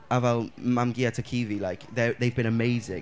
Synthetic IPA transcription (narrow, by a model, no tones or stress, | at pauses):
əvaʊlmamɡiətʰəkʰiːvilaɪkðəðeɪvbɪ̃ñəmeɪzɪ̃ŋ